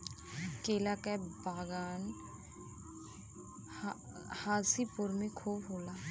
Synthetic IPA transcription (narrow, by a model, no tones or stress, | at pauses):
keːlakabaːɡaːn | haːsipʊɾmẽkʰoːbɦoːlaː